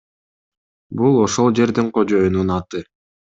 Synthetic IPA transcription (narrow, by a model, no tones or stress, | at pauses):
bulˠo̞ʃo̞lˠd͡ʒe̞ɾd̪iɴqʰo̞d͡ʒo̞jununɑt̪ɯ